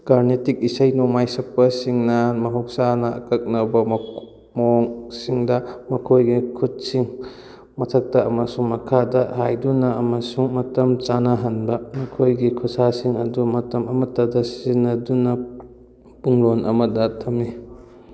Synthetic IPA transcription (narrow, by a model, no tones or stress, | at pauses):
kaɾnetik̚isɐjnomajsɐpːɐsiŋnɐmɐɦok̚sanɐɐ̰kɐk̚nɐbɐm | moŋsiŋdɐmɐkʰojɡikʰut̚siŋ | mɐtʰɐk̚tɐːmɐsuŋmɐkʰadɐhajdunɐɐmɐsuŋmɐtɐmt͡ʃanaɦɐnbɐmɐkʰojɡikʰut̚sasiŋɐdumɐtɐmɐmɐtɐdɐsinːɐdunɐ | puŋɾonʔɐ̰mɐdɐtʰɐmni